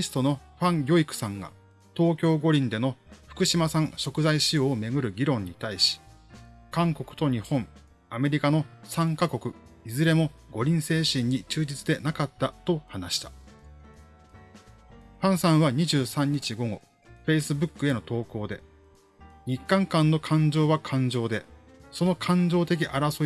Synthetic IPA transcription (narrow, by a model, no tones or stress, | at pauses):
isɨ̥t̪o̞no̞ɸãŋjʲo̞ikɯ̟̥sãŋɡa̰ | t̪o̞ːkʲo̞ːɡo̞ɾʲĩnd̪e̞no̞ɸɯ̟̥kɯ̟ɕimasãɰ̃ɕo̞kɯ̟zaiɕioːme̞ɡɯ̟ɾɯ̟ɡʲiɾõ̞ɲ̟ːit̪aiɕi̥ | kãŋko̞kɯ̟̥t̪o̞ɲ̟ihõ̞ɴ | ame̞ɾʲikano̞sãŋkako̞kɯ̟izɨɾe̞mo̞ɡo̞ɾʲĩɰ̃se̞ːɕĩɲ̟ːit͡ɕɨːd͡ʑit͡sɨd̪e̞nakat̪ːat̪o̞hanaɕi̥t̪ḁ | ɸãɰ̃sãɰ̃βaɲ̟iʑɨːsãɲ̟ːit͡ɕiɡo̞ɡo̞̰ | ɸe̞isɨbɯ̟kːɯ̟e̞no̞t̪o̞ːko̞ːd̪e̞ | ɲ̟ikːãŋkãnːo̞kʰãɲ̟d͡ʑo̞ːβakʰãɲ̟d͡ʑo̞ːd̪e̞ | so̞no̞kʰãɲ̟d͡ʑo̞ːt̪e̞k̬ʲiʔaɾaso